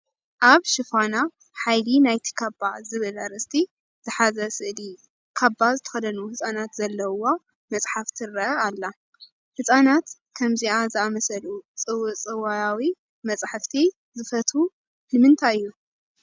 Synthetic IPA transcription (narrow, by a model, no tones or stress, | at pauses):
ʔaβʃɨfana | ħajlinajt̪ʰi̥kʰabazɨβɨlɐɾɨst̪ʰi | z̥ɨħazɐsɨʔli | kʰabːazɨt̪ʰɐ̥xɐd̪ɐnuhɨt͡sʼanat̪zɐlːɐwo | mɐt͡sʼħaft̪ʰiɾɐʔɐalːa | hɨsʼanat̪ | kʰɐmziazɨamɐsɐlut͡sʼɨwɨt͡sʼɨwajawi | mɐt͡sʼħɨft̪ʰi | zɨfɐt̪u | nɨmɨnt̪ʰajɨjːu